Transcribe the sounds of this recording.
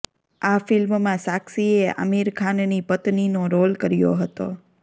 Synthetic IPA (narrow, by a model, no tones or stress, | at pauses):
afɪlmmãsaksiea̰miɾkʰannipət̪ninoɾolkəɾjo̰ɦət̪o̰